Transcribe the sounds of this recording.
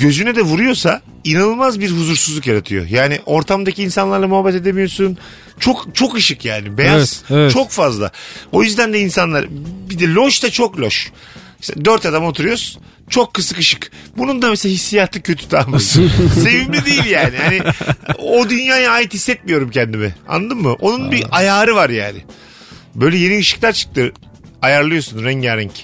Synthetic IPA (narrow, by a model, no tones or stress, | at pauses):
ɟø̞zynɛd̪ɛvuɾujo̞sa | inanɯlˠmazbiɾɦuzuɾsuzlˠukjaɾat̪ʰɯjo̰jaːniʔo̞ɾt̪ʰamd̪aciːnsanlaɾlˠamuɦabːɛt̪e̞d̪emijo̞sun | t͡ʃʰo̞kt͡ʃʰo̞kɯʃɯkjaːnibejazzt͡ʃʰo̞kfazlˠa̰o̞jyzd̪ænd̪ɛinsanlˠaɾbid̪ɛlʲo̞ʃt̪at͡ʃʰoklʲoʃ | sd̪øɾt̪ad̪amo̞t̪ʰuɾujos | t͡ʃʰo̞kʰːɯsɯkɯʃɯkbunund̪amɛselahisːijaːt̪ʰɯcʰø̞t̪ʰy̥t̪ʰaːmaj̪se̞vimlʲid̪ejiilʲjaːnihanɪ | od̪ynjaːjaaːjit̪hisːɛt̪̚mijo̞ɾumcʰɛnd̪imɪa̰nːd̪ɯmːɯʔo̞nunbiʔajaːɾɯvaɾja̰ːnɪ | bø̞jlʲɛje̞niɯʃɯ̥klˠaɾt͡ʃʰɯ̥k̚t̪ʰɯ | ajaɾlˠɯjo̞sunɾɛɲɟaɾɛɲc